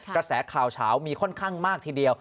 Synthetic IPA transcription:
kɾa˧sɛː˩˦kʰaː˨˩wt͡ɕʰaː˩˦wmiː˧kʰɔ˥˩nkʰaː˥˩ŋmaː˥˩k̚t̪ʰiː˧˩di˧əw

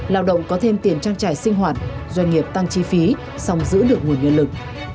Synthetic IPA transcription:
laː˧wɗə̰˧˨wŋ͡mkɔ˨˦t̪ʰe˧mt̪i˨˩ənt͡ɕaː˧ŋt͡ɕaː˧˩jsï˧ŋ̟ɦwaː˨˩t̚zwa˧jŋ̟ŋi˨˩əp̚t̪a˧ŋt͡ɕi˧fi˨˦ | sa˧wŋ͡mzɨ̰˧˥ɗɨ˨˩ək̚ŋu˨˩ənɲɨ̰˧˨lɨ˨˩k̚

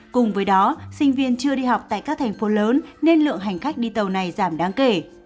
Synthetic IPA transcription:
kʊ˨˩ŋ͡mvəː˨˦jɗɔ˨˦sï˧ŋ̟vi˧ənt͡ɕɨ˧əɗi˧ɦa˨˩wk͡p̚t̪a̰ː˧˨kaː˦˥k̚t̪ʰa˨˩jŋ̟fo˨˦ləː˨˦nːe˧nlɨ̰˧˨əŋɦa˨˩jŋ̟xa˦˥jk̟̚ɗi˧t̪ə˨˩wna˨˩jzaː˧˩mɗaː˨˦ŋke˧˩

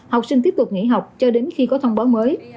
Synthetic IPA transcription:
ha˨˩wk͡p̚si˧ŋ̟t̪i˦˥əp̚t̪ʊ˨˩k͡p̚ŋḭ˧˩ɦa˨˩wk͡p̚t͡ɕɔ˧ɗe˨˦nxi˧kɔ˨˦t̪ʰə˧wŋ͡mɓaː˨˦wməː˨˦j

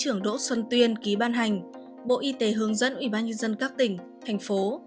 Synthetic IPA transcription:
t͡ɕɨ˧˩əŋɗo̰˧˥swə˧nt̪wi˧ənki˨˦ɓaː˧nɦa˨˩jŋ̟ | ɓo̰˧˨ʔi˧t̪e˨˦ɦɨ˨˦əŋzə̰˧˥nʔwi˧˩ɓaː˧nɲə˧nzə˧nkaː˦˥k̚t̪ï˧˩ŋ̟ | t̪ʰa˨˩jŋ̟fo˨˦

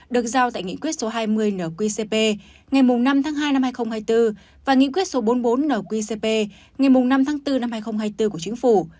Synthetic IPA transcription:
ɗɨ˨˩ək̚zaː˧˩wt̪a̰ː˧˨ŋḭ˧˨kwi˦˥ət̚so˨˦ɦaː˧jmɨ˧əjnəː˧˩kwi˧se˧pe˧ | ŋa˨˩jmʊ˨˩ŋ͡mna˧mt̪ʰaː˨˦ŋɦaː˧jna˧mhaː˧jxə˧wŋ͡mhaː˧jt̪ɨ˧ | vaː˨˩ŋḭ˧˨kwi˦˥ət̚so˨˦ɓo˨˦nɓo˨˦nːəː˧˩kwi˧se˧pe˧ | ŋa˨˩jmʊ˨˩ŋ͡mna˧mt̪ʰaː˨˦ŋt̪ɨ˧na˧mhaː˧jxə˧wŋ͡mɦaː˧jt̪ɨ˧ku˧˩ət͡ɕï˨˦ŋ̟fu˧˩

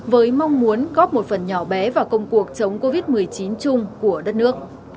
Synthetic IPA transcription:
vəː˨˦jmɔ˧wŋ͡mmu˨˦ənɣɔ˦˥p̚mo˨˩t̚fə˨˩nɲɔ˧˩ɓɛ˨˦vaː˨˩wkə˧wŋ͡mku˨˩ək̚t͡ɕə˨˦wŋ͡mko˧vi˦˥t̚mɨ˨˩əjt͡ɕi˨˦nt͡ɕʊ˧ŋ͡mku˧˩əɗə˦˥t̚nɨ˦˥ək̚

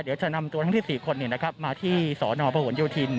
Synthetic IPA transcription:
d̪i˩˦wt͡ɕa˨˩na˧mt̪u˧˦˥ŋt̪̚ʰːsiː˨˩kʰo˧nːi˧˩na˦˥kʰɾa˦˥p̚maː˧t̪ʰiː˥˩sɔː˩˦nɔː˧pa˧hu˩˦njuː˧˩t̪ʰi˧n

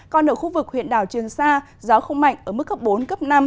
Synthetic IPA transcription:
kɔ˧nəː˧˩xu˧vɨ˨˩k̚hwḭ˧˨ənɗaː˧˩wt͡ɕɨ˨˩əŋsaː˧ | zɔː˨˦wxə˧wŋ͡mma̰˧˨jŋ̟ʔəː˧˩mɨ˦˥kːə˦˥p̚ɓo˨˦nkə˦˥p̚na˧m

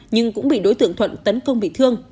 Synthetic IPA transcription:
ɲɨ˧ŋkʊ̰˧˥ŋ͡mɓḭ˧˨ɗo˨˦jt̪ɨ̰˧˨əŋt̪ʰwə̰˧˨nt̪ə˨˦nkə˧wŋ͡mɓḭ˧˨t̪ʰɨ˧əŋ

